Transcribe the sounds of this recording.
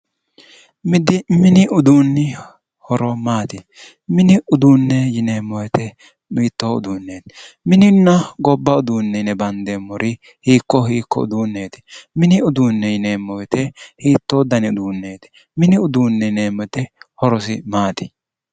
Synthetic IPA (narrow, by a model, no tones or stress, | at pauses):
mɪd̪ɪmɪnɪʔʊd̪uːnːɪ | hɔɾɔmaːt̪ɪ | mɪnɪʊd̪uːnːɛjɪne̞ːmːɔjɛt̪ɛ | miːt̪ːoʊ̰d̪uːnːeːt̪mɪnɪnːɐɡɔbːɐʊd̪uːnːɛnɛbɐnd̪eːmːɔɾɪ | hiːkːɔhiːkːɔ̰ʊ̰d̪uːnːe̞ːt̪ɪ̥mɪnɪʊd̪uːnːɛjɪne̞ːmːɔjɛt̪ɛhiːt̪ːod̪ɐnɪʊd̪uːnːe̞ːt̪ɛ̥ | mɪnɪʊd̪uːnːɛne̞ːmːɔt̪ɛhɔɾɔsɪ̰maːt̪ɪ̥